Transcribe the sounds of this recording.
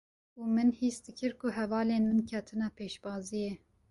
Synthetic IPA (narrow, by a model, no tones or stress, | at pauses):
uːmɨnhiːsd̪ɨkʰɨɾkʊɦɛvɑːleːnmɨnkʰɛt̪ʰɨnɑːpʰeːʃbɑːzijɛ